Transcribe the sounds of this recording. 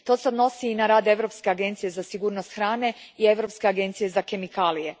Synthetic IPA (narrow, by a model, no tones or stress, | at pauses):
t̪o̞ːseod̪no̞siːnaɾaːd̪e̞ʋɾo̞ːpske̞aɡe̞nt̪sije̞zasiɡuːɾno̞st̪xɾaːne̞ie̞ʋɾo̞pske̞aɡe̞nt̪sije̞zake̞mikaːlije̞